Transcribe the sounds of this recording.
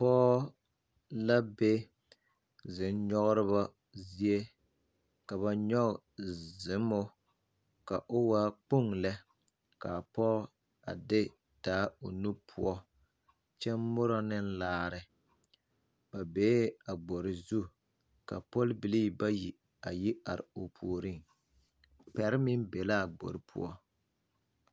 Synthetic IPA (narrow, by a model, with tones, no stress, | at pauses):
pɔː˦ | la˦be˦ | zɪ˨nɲɔ˦ɣʊ˦ɾɪ˦βa˦ | zi˦e˦ | ka˨βa˨ɲɔ˦kzɪ˨˦mo˦ | ka˨ʔo˦waː˦k͡pu˦˨ŋlɛ˦ | ka˨pɔː˦ | a˨dɪ˦ | d̥aː˨˦o˨nu˦pʰʊ˦ɔ˦ | t͡ʃɛ˦mʊ˦ɾɔ˦nɪ˦n̩laː˦ɾɪ˦ | ba˨beː˨˦a˨ɡ͡bo˨ɾɪ˨zu˦ | ka̰˨po˦lbi˨liː˦ba˦ji˨ | a˨ji˦a˨ɾɪ̰˨o˨pʰu˨o˨ɾi˦ŋ | pɛ˨ɾɪ˦mɪ˦nbe˨la˦˨ɡ͡bo̰˨ɾɪ˦pʰʊ̰˦ɔ˦